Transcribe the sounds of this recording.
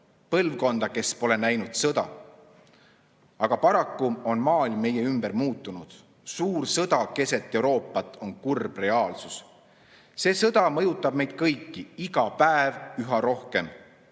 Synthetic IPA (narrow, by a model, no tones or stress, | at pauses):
pɤlvko̞nd̪̥ɑke̞spo̞le̞næjnud̪̥sɤd̪ɑ̰ | ɑɡ̥ɑpɑɾɑkːuo̞nmɑːlʲmːe̞je̞ymb̥ermuːt̪ːˑunud̪̥ | suːrsɤd̪ɑke̞se̞t̪ˑːe̞wɾo̞ːpːˑɑt̪ːˑo̞nkurb̥re̞ɑːlsus | se̞ːsɤd̪̥ɑmɤ̞jut̪ːˑɑb̥̚me̞jd̪̥̚kɤjkːiiɡɑpæevyɦɑɾo̞hke̞m